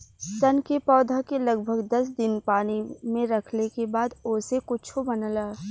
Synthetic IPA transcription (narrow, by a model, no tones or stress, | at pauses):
sɐnkepɔːd̪ʱakelɐɡbʱəɡd̪ɐsd̪ɪnpaːnimẽɾɐkʰnekebaːd̪ʊːsekʊt͡ʃʰobɐnəlaː